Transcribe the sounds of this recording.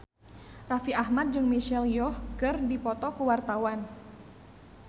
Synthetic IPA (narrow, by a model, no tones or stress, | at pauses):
rafiahmat̪̚d͡ʒɨŋmiʃɛljɔhkɨrdipɔt̪ɔkuwart̪awan